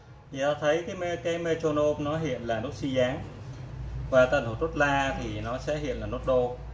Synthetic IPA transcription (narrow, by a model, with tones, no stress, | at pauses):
i˨˩t̪aː˨˧t̪ʰə˨˦jkaː˨˦jm˧kaː˨˦jme˧t͡ɕo˧no˧p̚nɔ˨˦ɦḭ˧˨ənlaː˨˩no˦˥t̚si˧zaː˨˦ŋ | vaː˨˩t̪aː˧˩nt̪o˨˧˩t̪o˦˥t̚laː˧t̪ʰi˨˩nɔ˨˦sɛ̰˧˥hḭ˧˨ənlaː˨˩no˦˥t̚ɗo˧